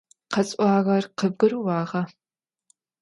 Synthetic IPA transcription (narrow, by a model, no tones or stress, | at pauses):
qɐt͡sʼʷɑːʁɐrqəb̚ɡɨɾuwɑːʁɐ